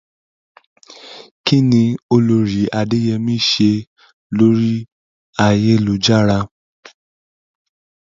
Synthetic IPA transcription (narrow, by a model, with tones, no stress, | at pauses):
ki˦nĩ˧o˧lo˧ɾi˨˦a˨de˦jɛ˧mĩ˦˨ʃe˧ | lo˦ɾi˦ | a˨je˧˦lo˨˦d͡ʒa˦˨ɾa˧